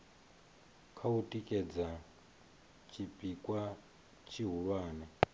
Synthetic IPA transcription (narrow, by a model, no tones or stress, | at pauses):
kʰautʼikʼɛd͡za | t͡ʃʰipʼikʼwa | t͡ʃʰiɦuɺwaːnɛ